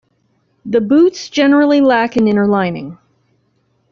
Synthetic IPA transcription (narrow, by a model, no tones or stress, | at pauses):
ðɨbutsd̥ʒ̥ɛnə˞l̩ˠilækɨ̃nɪ̃ɾ̃ə˞lãɪ̃nɪ̰̃ŋ